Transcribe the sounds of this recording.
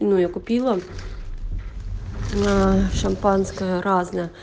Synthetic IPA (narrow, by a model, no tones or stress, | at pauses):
nujakʊpʲilˠɐ | ʃɐmpɑnsʲkɐɾɑznɛ